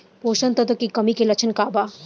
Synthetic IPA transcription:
poːʃənt̪ɐt̪əkikɐmikelɐt͡ʃʰənkaːbaː

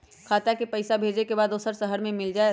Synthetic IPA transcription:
kʰaːt̪akepɐɪsabʱeːd͡ʒekebaːd̪oːsəɾsəɦəɾmẽmɪld͡ʒaːe

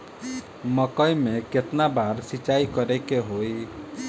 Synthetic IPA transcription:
məkəjmeket̪nabaɾsit͡ʃaikəɾɛkeɦoj

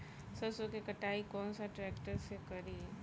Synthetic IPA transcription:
sɐsokekɐʈaːikɔːnsaʈɾɛːkʈəɾsekɐɾi

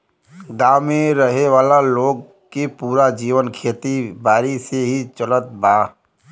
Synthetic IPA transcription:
ɡãːwmẽɾəɦeʋaːlaloːɡ̚ | kepuːɾad͡ʒiːʋənkʰeːt̪ibaːɾiseɦit͡ʃələt̪baː

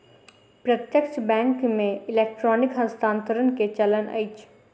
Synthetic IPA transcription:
pɾət̪jəkt͡ʃbɛ̃ːŋkmẽɪleːk̚ʈɾɔːnɪkɦə̃st̪ãːnt̪əɾənket͡ʃɐlənɐ̰ɪt͡ʃʰ

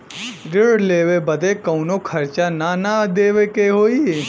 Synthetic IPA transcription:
ɾɪɽleːʋebɐd̪ekɐwnokʰɐɾt͡ʃananad̪eːʋekeɦoːi

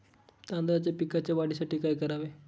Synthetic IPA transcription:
t̪ãnd̪ɾat͡ɕjapikat͡ɕjaʋaɽisaʈiːkaːjkəɾaʋe

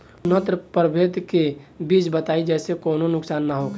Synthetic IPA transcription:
nət̪ɾəpəɾbʱeːt̪kebiːt͡ʃbət̪aːid͡ʒɛːsekoːnonʊksaːnːaɦok

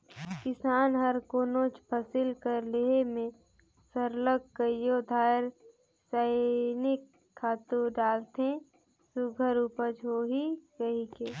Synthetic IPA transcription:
kɪsaːnɦəɾkoːnoːt͡ʃpʰɐsɪlkəɾleɦemẽ | səɾləɡkəjod̪ʱaːɾ | saːnɪkʰː | aːt̪uɖaːlt̪ẽ | suɡʱəɾupəd͡ʒɦoːɦikəɦikeː

